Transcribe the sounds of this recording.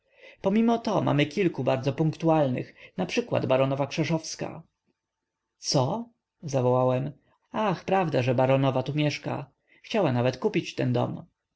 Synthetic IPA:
pɔmʲimɔt̪ɔma̰mɘkʲilkubaɾdzɔpũŋkt̪ualnɘ̰xnapʂɘkwa̰d̪baɾɔnɔvakʂɛʂɔfska̰ | t̪sɔ | zavɔwawɛm | axpɾavd̪aʐɛbaɾɔnɔvat̪umʲjɛʂka̰ | xt͡ɕawanavɛt̪kupʲit͡ɕt̪ɛnd̪ɔ̰m

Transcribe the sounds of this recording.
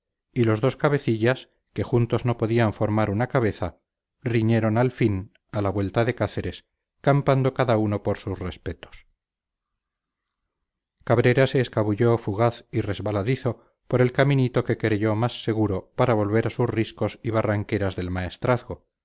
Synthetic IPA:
ilo̞zðo̞skaβe̞θiʎas | ke̞xunt̪o̞zno̞po̞ðiaɱfo̞ɾmaɾunakaβ̞e̞θa | riɲe̞ɾo̞nalfin | alaβwe̞lt̪aðe̞kaθe̞ɾe̞s | kampand̪o̞kaðauno̞po̞ɾsusre̞spe̞t̪o̥s | kaβ̞ɾe̞ɾase̞ːskaβuʎo̞fuɣaθire̞zβalaðiθo̞ | po̞ɾe̞lkamĩnit̪o̞ke̞kɾe̞ʝo̞masːe̞ɣ̞uɾo̞paɾaβo̞lβe̞ɾasusrisko̞siβ̞araŋke̞ɾazðe̞lmae̞st̪ɾaθɣo̞

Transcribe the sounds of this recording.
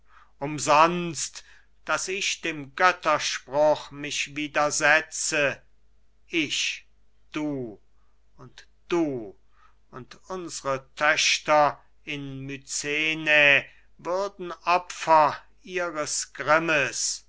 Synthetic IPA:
ʔʊmzɔnst | d̥asɪʃd̥eːmɡœtɐʃpʁʊχmɪʃviːdɐzɛt͡sə | ʔɪʃ | d̥uː | ʊnt | d̥uː | ʊntʊnzəʁətʰœʃtɐ | ɪnmyt͡seːne | vʏɐdn̩ʔɔpfɐ | iːʁəsɡ̥ʁɪməs

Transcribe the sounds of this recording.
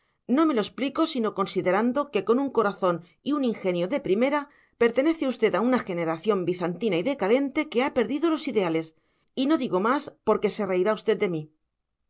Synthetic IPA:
no̞me̞lo̞e̞spliko̞sino̞ko̞nsiðe̞ɾand̪oke̞ko̞nuŋko̞ɾaθo̞n | iuniŋxe̞njo̞ðe̞pɾime̞ɾa | pe̞ɾt̪e̞neθeust̪e̞t̪aunaxe̞ne̞ɾaθjo̞mbiθant̪inaiðe̞kaðe̞nt̪e̞ke̞ape̞ɾðiðo̞lo̞siðe̞ale̞s | ino̞ðiɣomaspo̞ɾke̞se̞re̞iɾaust̪e̞d̪̚d̪e̞mi

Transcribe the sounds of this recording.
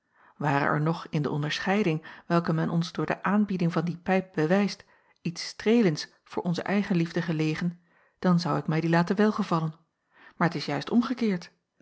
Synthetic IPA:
ʋaːrə̰ʔɛ̰ɹnɔχɪndəʔɔndəɹsχɛjdɪŋʋɛlˠkəmɛnʔɔnzdʊːɹdə̰ʔaːnbidɪŋvɑndipɛjp̚b̥əʋɛjst | itstrejlənts | fʊːɹʔɔnzə̰ʔɛjχənlivdəχəlejχən | d̥ɑnzɑwɪkmɛjdilaːtəʋɛlˠχəvɑlən | maːɹətɪsjœɥstɔmχəkɪːɹt

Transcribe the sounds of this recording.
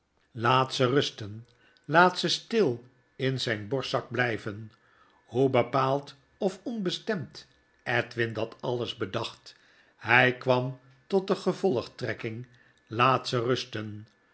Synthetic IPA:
laːtsərɵstən | laːtsəstɪlˠ | ɪnzɛjnbɔɹsɑɡ̚blɛjvən | hubəpaːlˠt | ɔfɔnbəstɛmt | ʔɛtʋɪndɑtɑlˠəzbədɑχt | hɛjkʋɑm | tɔt̚dəχəvɔlˠəχtrɛkɪŋ | laːtsərɵstən

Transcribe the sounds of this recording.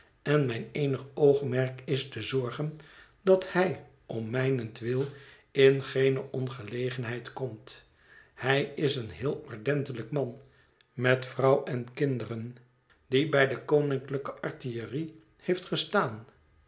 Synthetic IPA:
ɛnmɛjneːnəχowχmɛɹkɪstəzɔɹχən | dɑthɛj | ɔmːɛjnəntʋɪlˠ | ɪnχejnəʔɔnχəlejχənɦɛjtkɔmt | hɛjɪsənɦɪːlˠɔɹdɛntələkmɑn | mɛtfrɑwɛnkɪndərən | dibɛjdəkownɪŋkləkəʔɑɹtiəri | hejftχəstaːn

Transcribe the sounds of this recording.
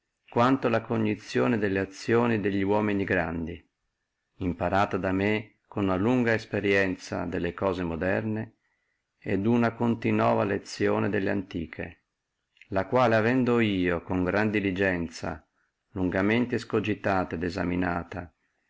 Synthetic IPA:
kwant̪olakoɲːit̪sːjoːned̪elːeat̪sːjoːnid̪eʎːiwɔːminiɡɾand̪i | impaɾaːt̪ad̪ame | konunaluŋɡaespeɾjɛnt̪sa̰d̪elːekɔːzemod̪ɛrne | ɛd̪unakont̪inɔ̰ːvalet̪sːjoːned̪elːeant̪iːkʰḛ | lakwaːleavɛnd̪oiːokoŋɡɾand̪ilid͡ʒɛnt̪sa̰ | luŋɡament̪eskod͡ʒit̪aːt̪aed̪eza̰minaːt̪a

